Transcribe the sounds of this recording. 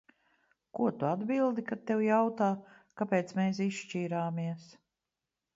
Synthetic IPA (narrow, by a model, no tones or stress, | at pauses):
kuɔt̪uad̪bilˠd̪ikat̪t̪ːewjawt̪aː | kapeːt̪smeːs̬isʃt͡ʃiːɾaːmiɛs